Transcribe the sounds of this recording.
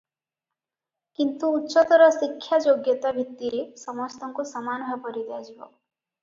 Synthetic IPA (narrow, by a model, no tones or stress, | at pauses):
kint̪uːtːʃɔt̪ɔɾɔsikʰːjad͡ʒoɡjɔt̪abʱit̪ːiɾesɔmɔst̪ɔŋkusɔmanɔbʱapɔɾid̪ead͡ʒibɔ